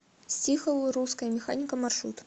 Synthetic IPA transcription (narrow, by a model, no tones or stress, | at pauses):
sʲtʲixəlˠɨɾuskəjəmʲɪxanʲɪkəmarʂɾṵt̪